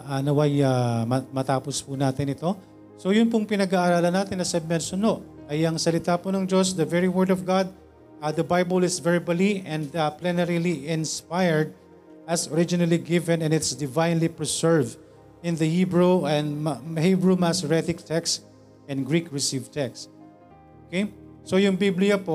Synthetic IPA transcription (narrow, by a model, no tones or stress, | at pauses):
ʔanɐwajamɐmɐt̪aːpospʊnaːt̪ɪnɪt̪o̞ | sojʊnpʊŋpɪnɐɡaʔːɾaːlɐnaːt̪ɪnːɐsɛb̚mɛnsʊnoʔɐjɐŋsɐlɪt̪aːpʊnɐŋd͡ʒosd̪ɐvɛɹiwɛɹd̪ɔvɡad̪̚ | ad̪ɐbajbɐlɪsvɛɹbɐliʔɛ̃nd̪aplɛnɛɾiliɪ̃nspajɛɹd̪̚ | ʔɐsɔɹɪd͡ʒɪnɐliɡɪvɛ̃nɛ̃nɪt̪sd̪ɪvãjnlipɹɛsɛɹvd̪ | ɪ̃nd̪ɐhibɹuɛnhibɹumasɹɛθɪk̚t̪ʰɛks | ɛ̃nɡɹikɹɪsivt̪ɛkst̪ | ʔʔokejsojʊŋbiblɪjɐpo